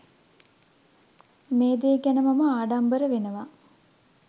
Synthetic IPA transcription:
meːd̪eɡænəmaməaːɖambəɾəʋenəʋa

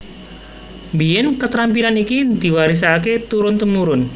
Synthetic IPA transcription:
mbijɛnkət̪ɾampilanikid̪̥i̤waɾis̬aket̪uɾʊnt̪əmuɾʊn

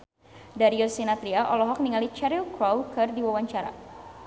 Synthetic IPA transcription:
daɾiɔsinat̪ɾiaʔɔlɔɦɔk̚niŋalit͡ʃɛɾilkɾɔwkɨrdiwawaɲt͡ʃaɾa̰

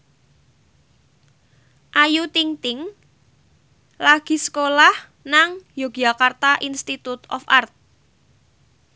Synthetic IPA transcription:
ʔajut̪iŋt̪ɪŋ | laɡ̥i̤sə̥kolah | naŋjoɡ̥akart̪aʔinst̪it̪ut̪ɔ̰fart̪̚

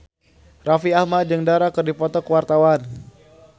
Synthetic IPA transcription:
rafiahmat̪̚d͡ʒəŋdaɾakərdipɔt̪ɔkəwart̪awan

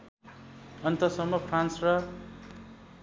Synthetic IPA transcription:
ʌnt̪ʌsʌmːʌpʰransrʌ

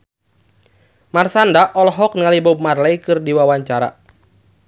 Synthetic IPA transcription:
marsandaʔɔlɔɦɔk̚niŋalibɔmarlɛjkɨrdiwawaɲt͡ʃaɾa̰

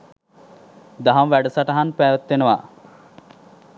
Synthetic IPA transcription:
d̪aɦamʋæɖəsaʈəɦanpæːʋət̪ːenəʋa

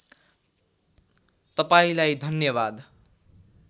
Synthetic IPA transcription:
t̪ʌpaĩlajd̪ʱʌnjʌbad̪

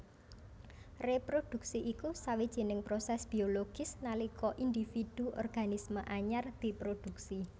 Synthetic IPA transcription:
repɾod̪̥ṳksiʔikusawid̥ʒ̥i̤nɪŋpɾosɛsb̥i̤oloɡ̥ɪ̤snalikʰɔʔind̪ifid̪̥uʔɔ̰rɡ̥anisməʔaɲard̪̥i̤pɾod̪̥uksi

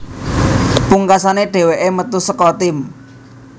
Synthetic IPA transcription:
puŋkasaneɖ̥e̤weʔemət̪usəkɔt̪ɪm

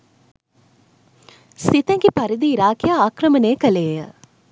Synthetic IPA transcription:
sit̪ɛŋɡipaɾid̪iːɾaːkijaaːkɾəməneːkəleːjə

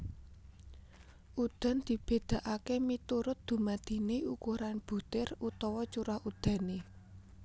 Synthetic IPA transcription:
ʔud̪̥a̤nd̪̥i̤b̥e̤d̪̥a̤ʔakemit̪uɾʊt̪̚d̪̥ṳmad̪̥i̤neukuɾanb̥ṳt̪ɪrut̪ɔwɔt͡ʃuɾahud̪̥ä̤ne

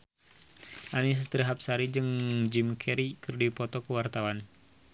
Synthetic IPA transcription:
ʔanis̬əst̪ɾəɦap̚saɾid͡ʒɨŋd͡ʒimkʰɛɾikɨrdipɔt̪ɔkəwart̪awan

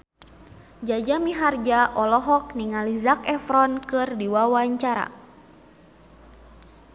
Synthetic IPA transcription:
d͡ʒad͡ʒamiɦard͡ʒaʔɔlɔɦɔk̚niŋalizakɛfɾɔnkɨrdiwawaɲt͡ʃaɾa̰

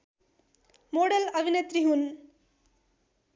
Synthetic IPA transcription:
moːɽɐlɐʋinɐt̪ɾiɦun

